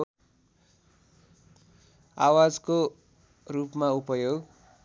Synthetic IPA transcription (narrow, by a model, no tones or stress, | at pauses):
awad͡zko | rupmaupʌjoɡ